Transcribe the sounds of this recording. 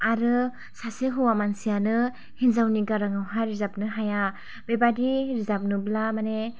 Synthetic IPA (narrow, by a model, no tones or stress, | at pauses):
aɾɯ | saseɦɯwamansijanɯ | hinzawniɡaɾaŋawɦajɾizap̚nɯɦaja | bebadiɾizap̚nɯblamane